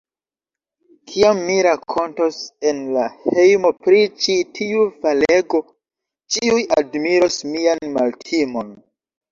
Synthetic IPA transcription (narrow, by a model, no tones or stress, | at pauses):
kʰiamːiɾakʰo̞ntosenlahe̞jmo̞pɾit͡ʃitʰiufale̞ɡo̞ | t͡ʃiuja̰dmiɾosmianma̰ltʰimo̞n